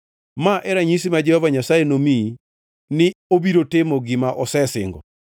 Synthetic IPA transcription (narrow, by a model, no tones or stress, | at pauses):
maʔɛɾaɲisimad͡ʒɛhɔvaɲasaenomi | nɪobiɾotemoɡɪmaʔɔsɛsɪ̰ŋɡɔ̰